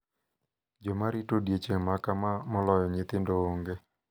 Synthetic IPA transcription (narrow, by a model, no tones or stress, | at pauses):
d͡ʒomaɾɪtodjet͡ʃeŋmakamamɔlɔjɔɲɪt̪ɪndooŋɡe